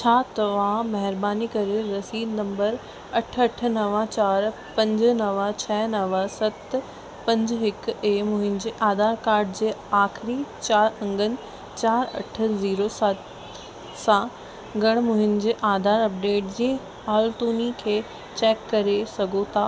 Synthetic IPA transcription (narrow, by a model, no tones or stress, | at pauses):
t͡ɕʰaːt̪ɐʋamɐɦɪɾbaːnikɐɾeɾɐsiːd̪nɐ̃mbəɾ | ɐʈʰɐʈ̆ʰnɐʋãt͡ɕaːɾ | pɐ̃ɲd͡ʑə̆nɐʋat͡ɕʰɐɦnɐʋasɐt̪ | pɐ̃ɲd͡ʑɦɪkeːmʊ̃ɦɪnd͡ʑeːʔaːd̪aːɾkaːɾɖd͡ʑeːaːxɪɾit͡ɕaːɾɐ̃ŋɡənɪ̆ | t͡ɕaːɾɐ̰ʈ̆ʰziːɾosɐt̪ | sã | ɡɐɽ̃mʊɦɪnd͡ʑeːʔaːd̪ʱaːɾɐp̚ɖeːʈ̚d͡ʑĩː | haːlt̪uːnikʰeː | t͡ɕɛːkːɐɾesɐɡʱot̪ʰaː